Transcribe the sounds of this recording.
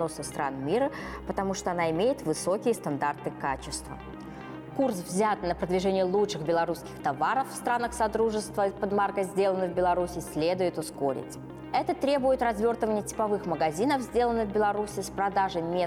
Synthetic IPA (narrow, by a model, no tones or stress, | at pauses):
nosɨst̪ɾa̰nmʲiɾəpət̪ɐmuʂt̪oɐnaɪmʲejɪt̪vɨso̞kʲɪjəst̪ɐnd̪art̪ɨkat͡ɕɪst̪və̰ | kursvzʲat̪nəpɾəd̪vʲɪʐɛnʲɪjəlˠutʂɨxbʲɪlˠɐɾuskʲɪ̥xt̪ɐvaɾəfːst̪ɾanəxsɐd̪ɾuʐɨst̪vəpəd̪markəzʲdʲe̞lˠənːɨɣbʲɪlˠɐɾusʲɪsʲlʲe̞d̪ʊjɪt̪ʊsko̞ɾʲɪ̰tʲ | ɛt̪ət̪ɾʲe̞bʊjɪt̪rɐzvʲo̞rt̪əvənʲɪjətʲɪ̥pɐvɨxməɡɐzʲinəfzʲdʲe̞lˠənːɨvbʲɪlˠɐɾusʲɪspɾɐd̪aʐəmʲe